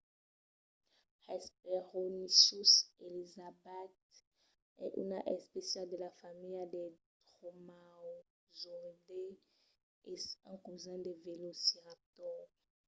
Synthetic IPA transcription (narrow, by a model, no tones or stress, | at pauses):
hasp̚eʁonisuselizabɛt̪ | ɛʔṵnaʔespesiald̪elafamiljad̪et̪ʁomaw | zod̪e | esãkuzãd̪evelosiat̪ɔ